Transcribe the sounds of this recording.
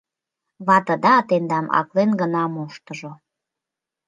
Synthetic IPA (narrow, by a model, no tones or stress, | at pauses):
βɑt̪əd̪ɑːt̪end̪ɑmʔɑ̰klenɡənɑmoʃt̪əʒo